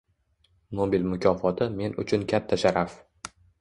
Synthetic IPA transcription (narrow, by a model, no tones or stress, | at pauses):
nobilmʊkʲʰɒfɒt̪ʰɪme̞nʊ̰t͡ʃʰʊnkʲʰat̪ʰːaʃaɾaf